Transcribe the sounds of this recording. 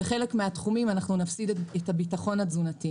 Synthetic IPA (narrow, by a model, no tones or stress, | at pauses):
eχelekmeatχumimanaχnunafsidethabitaχo̞nhad͡zunati